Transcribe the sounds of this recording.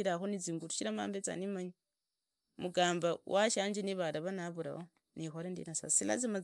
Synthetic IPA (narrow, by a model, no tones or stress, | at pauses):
iɾaxoniziːŋɡutu̥ʃiɾama̰ːmbet͡sa̰nimaɲi | muɡaːmbawʔaʃaːɲd͡ʒiniβaɾaβanaβuɾa̰ho | nixolendḭnasa̰sila̰zima